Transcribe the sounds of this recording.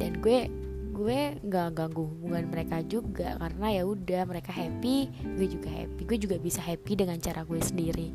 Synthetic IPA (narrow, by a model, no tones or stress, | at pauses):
danɡuɛ | ɡuɛŋɡaŋɡaŋɡuhubuŋanməɾekad͡ʒuɡaʔkaɾənajaudahməɾekaɦɛpiɡuɛd͡ʒuɡaɦɛ̰piɡuɛd͡ʒuɡabisaɦɛpidəŋant͡ʃaɾaɡuɛsəndiɾi